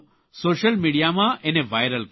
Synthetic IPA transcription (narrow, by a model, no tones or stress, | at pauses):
soːʃəlmiːɽijamãʔeneʋaːjɾəlk